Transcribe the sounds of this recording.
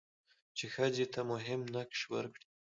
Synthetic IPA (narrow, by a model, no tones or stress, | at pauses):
t͡ʃexəzet̪amʊɦɪmnakʃwə̰ɾkɽi